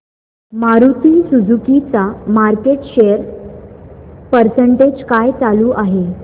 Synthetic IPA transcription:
maɾut̪iːsud͡zukit͡samaɾkeʈɕejəɾ | pəɾsəɳʈed͡ʑkajt͡saluːʔaɦe

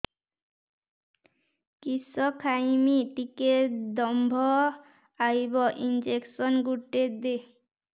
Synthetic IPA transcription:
kisɔkʰajmiʈiked̪ɔmbʱɔ | ajbɔʔind͡ʑeksɔnɡuʈːed̪e

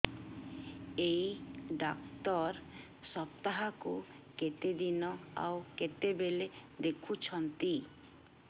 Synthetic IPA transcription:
ejɖakt̪ɔɾ | sɔb̚t̪aɦaku | ket̪ed̪inɔa̰wket̪ebeled̪ekʰut͡ɕʰɔnt̪i

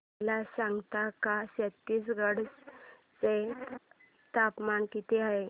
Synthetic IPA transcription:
lasãŋɡt̪akaset̪ːiːsɡəɽt͡s | t͡se | t̪apmankit̪iaɦe

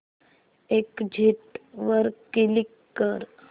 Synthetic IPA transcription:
ekd͡ʒʱiʈʋəɾkilikːəɾ

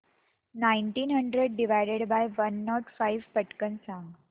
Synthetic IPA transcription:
naiɳʈiːnɦəɳɖɾeɖ̚ɖiʋajɽeɽbajʋənːɔʈfajʋpəʈkənsãŋɡ

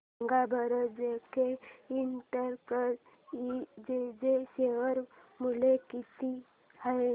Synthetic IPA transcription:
ŋɡabʱəɾəd͡ʒekeinʈəɾkəɾ | id͡ʒed͡ʒeseʋəɾ | mulekit̪i | hə

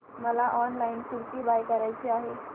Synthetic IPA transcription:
məlaʔɔnlainsuɾt̪iːbajkəɾajt͡ɕiːaɦe

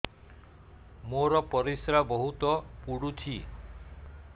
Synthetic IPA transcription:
moɾɔpɔɾisɾabɔɦut̪ɔpuɽutʰi

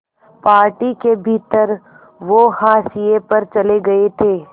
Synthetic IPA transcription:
paːɾʈikebʱiːt̪əɾ | ʋohaːsijepɐɾt͡ʃɐleɡɐet̪ʰeː

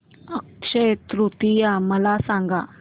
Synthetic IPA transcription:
əkʂet̪ɾut̪ijaməlasãŋɡa

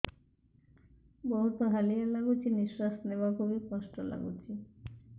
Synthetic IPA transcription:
bɔɦut̪oɦalialaɡut͡ɕʰiniʃɾast̪neoakobekɔʃʈola̰ɡṵt͡ɕʰi

